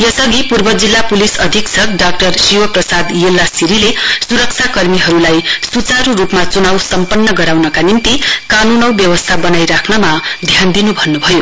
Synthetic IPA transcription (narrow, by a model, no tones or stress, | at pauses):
jʌsʌɡipurbʌd͡zilːapulisʌd̪ʱiksʰʌkɖak̚ʈʌrsiwʌprʌsad̪jelːasiɾilesuɾʌk̚t͡sʰakʌrmiɦʌɾulajsut͡saɾuɾupmat͡sunawsʌmpʌnːʌɡʌɾawnʌkanint̪ikanunʌwbjʌwʌst̪ʰabʌnajɾakʰnʌmad̪ʱjand̪inubʱʌnːubʱʌjo